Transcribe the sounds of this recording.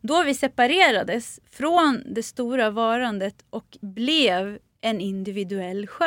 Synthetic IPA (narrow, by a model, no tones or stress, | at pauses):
d̪ɔvɪsɛpaɾeːɾad̪əsfɾond̪ɛst̪uːɾavɑːɾand̪ət̪ʔɔkblɛv | ɛnɪnd̪ɪvɪd̪ɵɛlːɧœ